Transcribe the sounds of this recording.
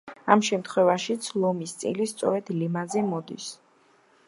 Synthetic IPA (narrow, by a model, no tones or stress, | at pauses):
amʃɛmt̪ʰχwɛvaʃit̪sʰlˠɔmist̪sʼḭlist̪sʼɔ̰ɾɛd̪̥limazɛmɔd̪ḭs